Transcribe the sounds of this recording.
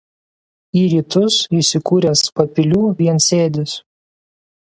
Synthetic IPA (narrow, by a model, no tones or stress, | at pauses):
iːɾʲiːt̪ʊsisʲɪkuːɾʲɛspɐpʲɪlʲuːʋʲiɛnsʲeːd̪ʲɪs